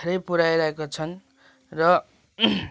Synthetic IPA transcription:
eɾʌjpuɾajɾʌɦekot͡sʰʌn | rʌ

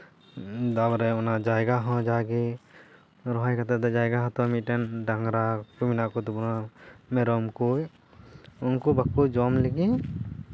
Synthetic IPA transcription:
d̪abɾɛunad͡ʒajɡaɦɔ̃d͡ʒaɡi | ɾɔɦajkat̪ɛt̪ɔd͡ʒajɡaɦɔ̃t̪ɔmiʈɛnɖaŋɡɾakubinakut̪ubunɔmɛɾɔmkuj | unkubakːud͡ʒɔmleɡi

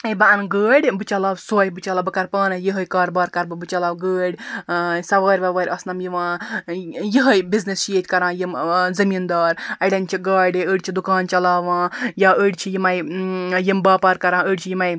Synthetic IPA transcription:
ɐbɐɐnɡəːɽʲbɨt͡ʃɐlaːwsoːjbɨt͡ʃɐlaːbɨkɐɾpaːnɐjiɦɐjkaːɾbaːɾkɐɾbɨbɨt͡ʃɐlaːwɡəːɽʲsɐʋaːɾʲʋɐʋaːɾʲɐsnɐmjiʋãː | jiɦəjbiznist͡ʃeːt̪ʲkɐɾãːjimzɐmiːnd̪aːɾɐɖɐnʲt͡ʃʰiɡaːɖʲiəːɽʲt͡ʃʰid̪ukaːnt͡ʃɐlaːʋãːjaːəːɽʲt͡ʃʰijimɐjjimbaːpaːɾkɐɾãːəːɽʲt͡ʃʰijimɐj

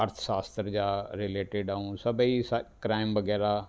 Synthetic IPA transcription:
ɐɾt̪ʰʃaːst̪ɾd͡ʑaːɾɪleːʈeɖaũsɐbiskɾaːɪmʋɐɡɛːɾa

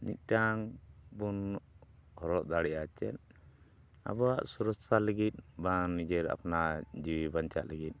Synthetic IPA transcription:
nḭt̪̚ˀʈaŋbun | hɔɾɔʔ̚d̪aɽɛjat͡ʃɛ̰n | a̰bɔaʔsuɾɔsaləɡit̪̚banid͡ʒɛɾa̰pnad͡ʒiwibaɲt͡ʃa̰ʔləɡit̪̚ˀ

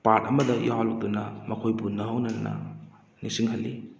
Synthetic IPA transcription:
pat̚ɐmɐdɐjʔohalok̚d̪unɐmɐkʰojpunɐɦɐwnɐnɐnɐ̰ | nisiŋɦɐlːi

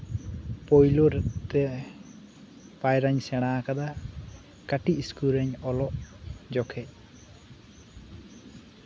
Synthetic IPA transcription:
pɔjloɾɛt̪ɛ | pajɾaɲsɛɽ̃akad̪a | kaʈiiskuɾɛɲɔlɔʔd͡ʒɔkʰɛʔ

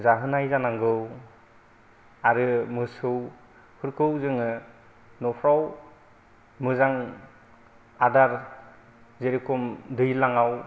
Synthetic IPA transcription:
zaɦɯnajzanaŋɡɯw | aɾɯmɯsɯw | hɯɾkʰɯwzɯŋɯ | nɔpʰɾaw | mɯzaŋ | adaɾ | zeɾikɔmdɯjlaŋaw

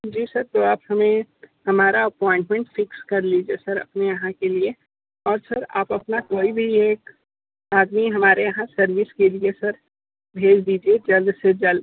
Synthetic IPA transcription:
d͡ʒiːsɐɾt̪oaːphɐmẽhɐmaːɾaɐpɔːɪ̃ɳʈmẽɳʈfɪkskɐɾliːd͡ʒiesɐɾɐ̰pnejɐɦãkelie | ɔːɾsɐɾa̰ːpɐpnakoːibʱieːk | aːd̪miɦɐmaːɾejɐɦãsɐɾʋɪskeliesɐɾ | bʱeːd͡ʒd̪iːd͡ʒied͡ʒɐld̪sed͡ʒɐld̪

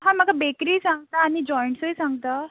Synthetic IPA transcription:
ɦãm̤əɡabekɾiːsãŋɡ̚t̪aːɽ̃id͡ʑɔjɳʈsəjsãŋɡt̪a

